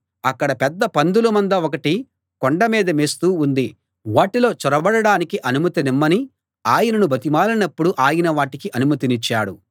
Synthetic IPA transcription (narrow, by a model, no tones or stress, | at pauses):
ɐkːɐɽɐpɛd̪ːɐpɐnd̪ulɐmɐnd̪ɐɔkɐʈi | kɔɳɖɐmiːd̪ɐmeːst̪uːund̪i | ʋaːʈilo̞ːt͡ʃɔɾɐbɐɽɐɽaːnikiʔɐnumɐt̪inimːɐni | aːjɐnɐnubʱɐt̪imaːlɐnɐpːuɽuʔaːjinɐʋaːʈikiʔɐnumɐt̪init͡ʃːaːɽu